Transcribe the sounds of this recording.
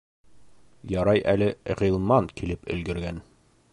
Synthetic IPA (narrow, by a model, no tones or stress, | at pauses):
jɒɾɑjʔælɘʁilˠmɑŋkilɘpɵ̰̆lɡɘ̆ɾɡæn